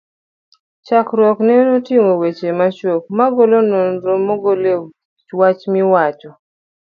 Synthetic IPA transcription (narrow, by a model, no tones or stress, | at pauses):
t͡ʃakɾwɔknenotimowet͡ʃemat͡ʃok̚maɡolononɾomoɡole | t͡ʃwat͡ʃmiwat͡ʃɔ